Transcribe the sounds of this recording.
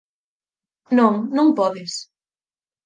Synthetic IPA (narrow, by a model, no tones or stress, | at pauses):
nõŋnõŋpɔðɪs